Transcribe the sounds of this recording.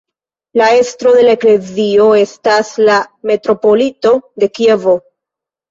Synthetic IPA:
lae̞stɾo̞de̞laekle̞zio̞e̞staslame̞tɾo̞po̞lito̞de̞kie̞vo̞

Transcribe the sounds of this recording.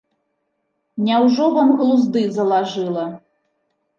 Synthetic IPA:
nʲɛwʐɔbɐmɣlˠuzd̪ɨzɐlˠaʐɨlˠɐ

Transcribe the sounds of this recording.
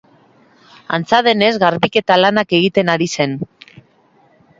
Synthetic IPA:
a̰nt͡sað̞e̞ne̞zɣaɾβike̞t̪alanake̞ɣ̞it̪e̞naɾise̞n

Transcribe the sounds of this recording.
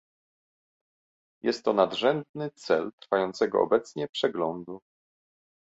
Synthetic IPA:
jɛst̪ːɔnad̪ʐɛnd̪nɘt̪sɛlt̪ɾfajɔnt̪sɛɡɔ̰ɔ̰bɛt̪sɲɛpʂɛɡlɔnd̪u

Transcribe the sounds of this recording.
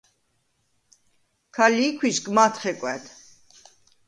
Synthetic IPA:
kʰalikʰwisɡmat̪ʰχɛkʷʼwɛt̪ʰ

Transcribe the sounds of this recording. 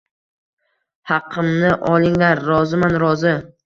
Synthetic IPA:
hɑqʰɨmnɪʔɒlˠɪŋlaɾːɒzɪmanɾɒzɪ

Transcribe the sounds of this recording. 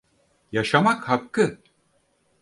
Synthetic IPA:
jaʃamakhakːɯ

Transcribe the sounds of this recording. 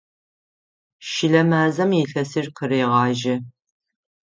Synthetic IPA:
ʃɪɮɐmaːzɐmiɬɐsirqəreːʁɑːʒɪ

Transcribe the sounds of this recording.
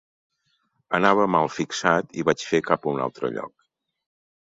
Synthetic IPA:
ənaβ̞əmalˠfiksat̪iβat͡ʃfekapuna̰lˠt̪ɾə̰ʎɔ̰k̚

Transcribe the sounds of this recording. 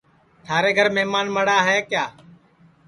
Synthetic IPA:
t̪ʰaːɾeːɡʱəɾmeːmaːnməɽaːɦeːkjaː

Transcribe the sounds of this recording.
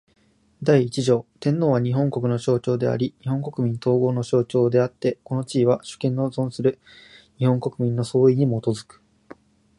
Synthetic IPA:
d̪aiːt͡ɕiʑo̞ːt̪ẽ̞nːo̞ːβ̞aɲ̟iɦõ̞ŋko̞kɯ̟no̞ɕo̞ːt͡ɕo̞ːd̪e̞a̰ɾʲiɲ̟iɦõ̞ŋko̞kɯ̟mʲĩnt̪o̞ːɡo̞ːno̞ɕo̞ːt͡ɕo̞ːd̪e̞at̪ːe̞ko̞no̞t͡ɕiːβaɕɨ̥kẽnːozõ̞ɰ̃sɨɾɯ̟ | ɲ̟ihõ̞ŋko̞kɯ̟mʲĩnːo̞so̞ːiɲ̟imo̞t̪o̞zɨkɯ̥

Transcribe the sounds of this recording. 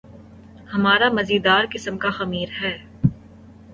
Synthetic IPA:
hɐmaːɾamɐziːd̪aːɾkɪsəmkaxɐmiːɾɦɛː

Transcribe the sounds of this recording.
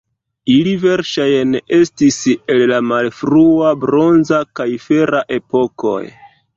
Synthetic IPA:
ilive̞ɾʃajne̞stise̞lːamalfɾuabɾo̞nzakajfe̞ɾaʔe̞po̞ko̞̰j

